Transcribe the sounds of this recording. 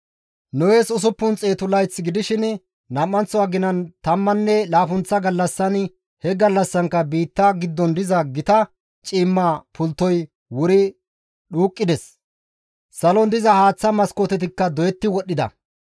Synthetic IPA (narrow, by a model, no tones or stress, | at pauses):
nɔweːsʊs̬ʊpːʊnt͡sʼe̞ːt̪ʊlɐjt͡sːɡɪd̪ɪʃɪn | nɐmːɐnt͡sːɔwaːɡɪnɐnt̪ɐmːɐnːɛlaːfʊnt͡sːɐɡɐlːɐsːɐn | hɛɡɐlːɐsːɐŋkːɐbiːt̪ːɐɡɪd̪ːɔnd̪ɪzɐɡɪt̪ɐ | t͡ʃʼiːmːapʰʊlt̪ːɔj | wʊɾɪ | ɗuːkʼːɪd̪ɛs | sɐlɔnd̪ɪzɐhaːt͡sːɐmɐskoːt̪ɛt̪ɪkːɐd̪ɔjɛt̪ːɪwɔɗːɪd̪ɐ̰